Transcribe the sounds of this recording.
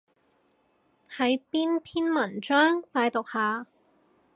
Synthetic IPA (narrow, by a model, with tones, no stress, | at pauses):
hʰɐ˨˥jpiː˥npʰiː˥nmɐ˨˩nt͡ʃœː˥ŋpaː˨˧jt̪ʊ˨k̚haː˨